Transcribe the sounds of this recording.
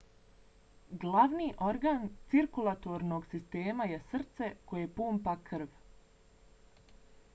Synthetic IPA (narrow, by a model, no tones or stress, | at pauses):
ɡlaʋniːʔo̞ɾɡaːnt̪siɾkulˠat̪oɾnoɡsist̪eːmajesr̩t̪se̞ko̞jepuːmpakr̩ʋ